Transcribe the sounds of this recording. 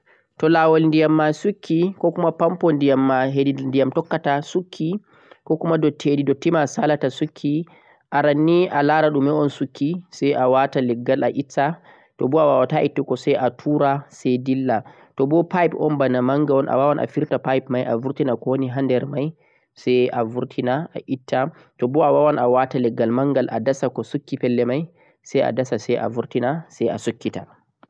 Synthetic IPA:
tɔlaːwalndijamːasukʰːikɔkumapampɔndijamːaɦedindijamtɔkːatasukʰːi | kɔkumadɔtʰedidɔtimasalatasukʰːi | ʔaɾanːiʔalaːɾaɗumɛɔnsukʰːisɛjʔawatalɛɡːala̰ʔitːa | tɔbɔawawataʔitːikɔsɛjʔatʰuːɾasɛjdilːa | tɔbɔpajpɔnbanamaŋɡaɔnʔa̰wawanʔa̰fiɾtapajpmajʔavuɾtinakɔwniɦandɛɾmaj | sɛjavuɾtʰinaaʔitʰːa | tɔbɔawawanawatalɛɡːalmaŋɡalʔadasakɔsukːipɛlːɛmaj | sɛja̰dasasɛjʔa̰vuɾtinasɛjasukːita

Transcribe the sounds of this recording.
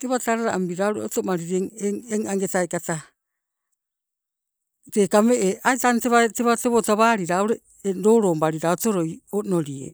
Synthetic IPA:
te̞βataɾaɾaʔambiɾawɾeoto̞maɾiɾeŋeŋeŋaŋɡe̞tajkata | teːkameʔeajtanteβateβate̞βotaβaːɾiɾaoɾe̞ | eɾo̞ːɾo̞ːmbaɾiɾaoto̞ɾo̞jono̞ɾiḛ

